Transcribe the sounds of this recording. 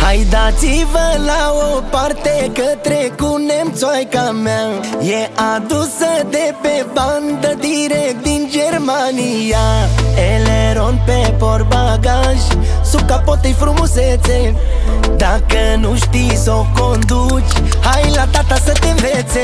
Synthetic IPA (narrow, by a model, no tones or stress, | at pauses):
hajd̪at̪sivəlaopart̪ekət̪ɾekunemt̪sojkamajead̪usəd̪epeband̪əd̪iɾekt̪̚d̪ind͡ʒeɾmanijaeleɾonpepoɾbaɡaʒsukapot̪əjfɾumoset̪se | d̪akənuʃt̪isokond̪u | t͡ʃʲ | hajlat̪at̪asət̪eɱvet̪se